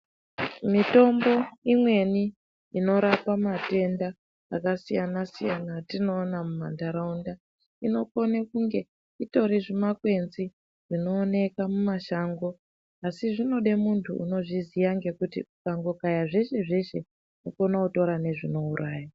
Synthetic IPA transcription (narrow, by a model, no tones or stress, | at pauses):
mito̞mbo̞imwe̞ni | ino̞ɾapamate̞ndaː | kasijanasijanatino̞ːnamumandaɾaunda | ino̞ko̞nekuŋɡe̞ | ito̞ɾiʐimakwe̞nzi | ʐ̥ino̞ːne̞kamumaʃaŋɡo̞ | asiʐino̞ɗe̞muntʰṵṵno̞ʐizijaŋɡe̞kutḭukaŋɡo̞kajaʐe̞ʃe̞ʐe̞ʃe̞ | noko̞nauto̞ɾane̞ʐino̞uɾʔaːja